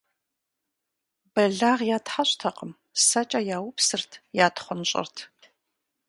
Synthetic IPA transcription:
b̥ɐɮaːʁjaːtħaɕʼtʰɐqəm | sɐt͡ʃʼɐjaːwʊpsɨrtʰjaːtχʷʊnɕʼɪ̰rtʰ

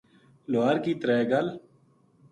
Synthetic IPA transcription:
loaːɾkiːt̪ɾɛːɡəl

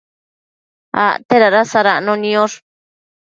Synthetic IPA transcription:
a̰ʔt̪eɾaɾasaɾaʔnõnĩoɾ

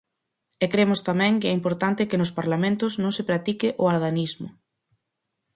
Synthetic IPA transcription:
ɛkɾemʊst̪amɛ̃ŋkɪɛimpoɾt̪ant̪ɪkɪnʊspaɾlamẽnt̪ʊznõŋsɪpɾat̪ikɪʔʊaɾðanizmʊ̰

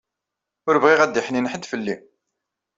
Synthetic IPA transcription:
ʊɾəvʁiʁæd̪ːiħninħəd̪fəlːi

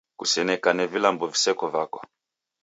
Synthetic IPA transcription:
kusɛnɛkanɛvilambɔvisɛkɔvakɔ

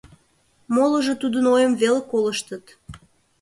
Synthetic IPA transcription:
moləʒət̪ud̪ənojəmvelekoləʃt̪ət̪

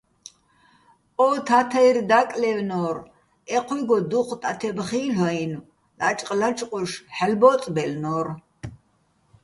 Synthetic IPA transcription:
ɔːt̪ʰat̪ʰaird̪akʼlɛwnɔr | ɛqʰwiɡɔd̪uqʰʷʼt̪ʼat̪ʰɛbχiːlɔinu | lat͡ʃʼqʼlat͡ʃʼqʼuʃħɛlbɔːt͡s̪ʼbɛlnɔːr

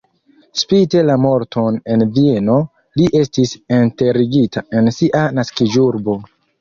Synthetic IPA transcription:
spite̞lamo̞ɾtʰo̞ne̞nvie̞no̞ | liʔe̞stisente̞ɾiɡitʰae̞nsiʔanaskid͡ʒuɾbo̞

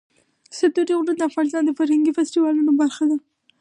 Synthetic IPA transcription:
sat̪uɾiɣɾud̪əafɣɑnɪs̬t̪ɑnd̪əfaɾhaŋɡifasʈiwɑlunobaɾxad̪a

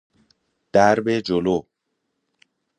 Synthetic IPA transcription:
d̪̥æɾbed͡ʒolo

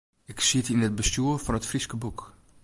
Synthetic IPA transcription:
ɪksitinət̚bəstuəvɔnətfriskəbuk

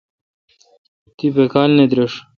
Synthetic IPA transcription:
t̪ipekaːlned̪ɾeʂ

